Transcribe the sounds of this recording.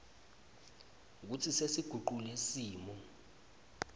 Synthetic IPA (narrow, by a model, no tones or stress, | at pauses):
k̬ut͡sʰisesiɡ̥ʱuǃulesiːmɔ